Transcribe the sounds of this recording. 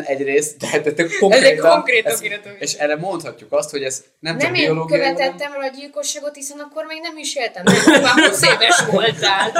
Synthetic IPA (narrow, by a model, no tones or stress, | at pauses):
ɛɟreːst̪d̪ɛat̪̚d̪ɛt̪økkːo̞ɛzrɛeːtk̪oŋkreːtiɛt̪eʃɛrɛmo̞nt̪hɒcːukɒst̪ho̞ɟɛz | nɛmnɛmeioloːɡkøijɛɛt̪ːɛmɛlɒɟilko̞ʃːaːɡo̞t̪hisɛnɒkːormeːɡnɛmiʃelt̪ɛmaseːpɛʃʋolt̪zaːl